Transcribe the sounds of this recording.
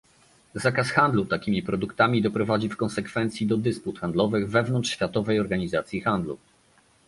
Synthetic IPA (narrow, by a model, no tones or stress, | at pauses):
zakasxand̪lut̪akʲimʲipɾɔd̪ukt̪amʲid̪ɔpɾɔvad͡ʑifkɔ̃nsɛkfɛnt̪sʲjid̪ɔd̪ɘsput̪xand̪lɔvɘɣvɛvnɔntt͡ʂʂɕfʲjat̪ɔvɛjɔɾɡaɲizat̪sʲjixand̪lṵ